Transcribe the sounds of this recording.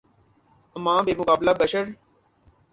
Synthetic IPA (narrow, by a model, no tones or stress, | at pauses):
əmãːbeːmʊkaːblaːbəʃəɾ